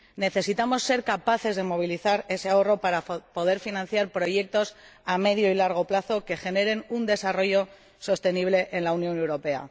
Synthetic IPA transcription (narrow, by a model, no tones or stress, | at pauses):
ne̞θe̞sit̪amo̞sːe̞ɾkapaθe̞zðe̞mo̞β̞iliθaɾe̞se̞ao̞ro̞paɾapo̞ð̞e̞ɾfinãn̟θjaɾpɾoʝe̞k̚t̪o̞same̞ðjo̞ilaɾɣ̞o̞plaθo̞ke̞xe̞ne̞ɾe̞nund̪e̞saro̞ʝo̞ | so̞st̪e̞niβle̞ʔenlaunjo̞newɾo̞pe̞a̰